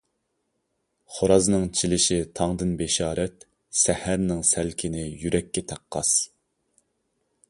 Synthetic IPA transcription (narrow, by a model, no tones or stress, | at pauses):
χoɾɑznɨŋt͡ʃʰilɪʃit̪ʰɑŋd̪ɨnbeʃɑːɾɛt̪ | sæhæɾnɪŋsælkʲʰɪnɪjyɾɛkʲːɛt̪ʰæqːɑ̰s